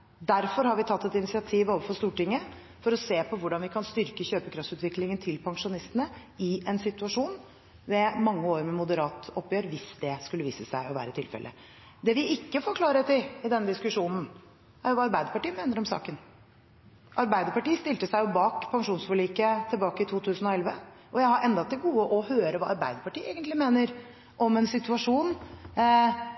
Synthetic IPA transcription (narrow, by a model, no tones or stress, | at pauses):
d̪æɾfɔɾhɑɾʋɪt̪ʰɑt̪ːɛt̪ɪnɪsɪɑt̪ʰiːʋoːʋəfɔst̪uːʈɪŋːə | fɔɾɔseːpʰɔʋʊɖɑnʋɪkʰɑnst̪ʏɾkəçøːpəkʰɾɑftsʉːt̪ʋɪklɪŋənt̪ʰɪlpʰɑŋʂʊnɪst̪ənəɪɛnsɪt̪ʉɑʂuːn | ʋɛmɑŋːəoːɾmɛmʊd̪əɾɑːt̪ɔpːjøːɾʋɪsd̪ɛskʉlːəʋḭːsəsæɪɔʋæ̰ːɾət̪ʰɪlfɛ̰lʔə̰ | d̪ɛʋɪɪkːəfɔɾkʰlɑːɾət̪ɪlɪd̪ɛnːəd̪ɪskʉʂuːnn̩ | æɾjʊʋɑɑɾbæɪd̪əɾpɑʈiːəmeːnəɾɔmsɑ̰ːkən | ʔɑɾbæɪd̪əɾpɑʈiːst̪ɪlt̪əsæɪjʊbɑːkpʰɑŋʂuːnsfɔliːkət̪ʰɪlbɑːkəɪt̪ʰuːt̪ʰʉːsən̩ɔɛlʋə | ʔɔjæɪhɑɾʔɛnd̪ɑt̪ːɪlɡuːəʔɔhøːɾəʋɑ̰ːɑɾbæ̰ɪd̪əɾpɑʈiːeːɡənt̪lɪmeːnəɾ | ʔɔmɛnsɪt̪ʉɑʂuːn